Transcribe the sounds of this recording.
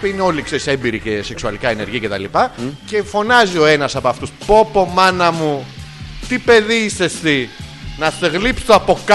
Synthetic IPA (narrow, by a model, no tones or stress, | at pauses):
ineo̞likse̞ɾise̞mbiɾicese̞ksuɐlikɐeneɾʝiɐce̞t̪ɐlipɐce̞fo̞nɐzio̞e̞nɐsɐpoɐft̪uspo̞po̞mɐnɐmu | t̪ipe̞ðiiste̞st̪i | nɐθeɣlipst̪oɐpo̞k